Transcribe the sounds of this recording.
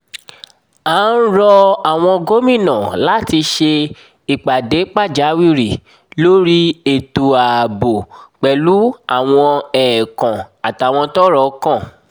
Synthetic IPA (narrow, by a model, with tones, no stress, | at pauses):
a˨˦n̩˦ɾɔ˧a˨w̃ɔ̃˧ɡo˦mĩ˦˨nã˨la˦ti˧ʃe˧ | i˨k͡pa˨de˨˦k͡pa˦˨d͡ʒa˨˦wi˦˨ɾi˨ | lo˦ɾi˦e˨to˨a˨bo˨k͡pɛ˨lu˨˦a˦˨w̃ɔ̃˧ɛː˨kã˨a˨ta˨w̃ɔ̃˧tɔ˦ɾɔ˨kã˦˨